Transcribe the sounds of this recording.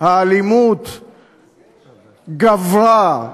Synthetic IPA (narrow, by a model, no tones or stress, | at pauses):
haːlimut̪ | ɡavɾa